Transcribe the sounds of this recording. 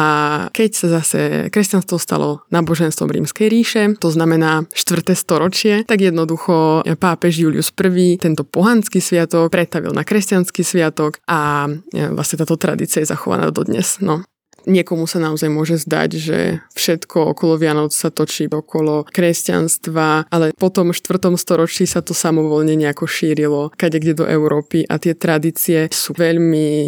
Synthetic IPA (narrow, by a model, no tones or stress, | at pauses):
akɛcsazasɛ̰kɾɛscanst̪ʋɔst̪a̰lɔ̰naːbɔʒɛnst̪ʋɔ̰mɾḭːmskɛjɾiːʃɛt̪ɔznamɛnaːʃt̪ʋr̩t̪ɛːst̪ɔɾɔt͡ʃɪɛt̪aɡjɛd̪nɔd̪uxɔpaːpɛʒjuːlḭṵspr̩ʋiːt̪ɛnt̪ɔpɔɦant͡skisʋɪat̪ɔk̚pɾʔɛt̪aʋḭlnakɾɛscanskisʋɪat̪ɔkʔa | la̰sɲɛt̪aːt̪ɔt̪ɾa̰d̪ḭt͡siajɛza̰xɔʋa̰na̰ːd̪ɔd̪ɲɛ̰z̥nɔ | ɲɪɛkɔmusanaɔzajmʊɔʒɛzd̪a̰ɟʒɛ̰fʃɛt̪kʰɔɔ̰kɔlɔʋɪanɔt͡ssat̪ɔt͡ʃiɔkʰɔlɔkɾɛsca̰nst̪ʋaʔalɛpɔt̪ɔmʃt̪ʋr̩t̪ɔmst̪ɔɾɔt͡ʃisat̪ɔsamɔʋɔlɲɛɲɛakɔʃiːɾilɔkaɟɛɡɟɛd̪ɔ̰ʔɛʊɾɔːpiʔa̰t̪ɪɛt̪ɾad̪iːt͡siɛsuːʋɛʎmi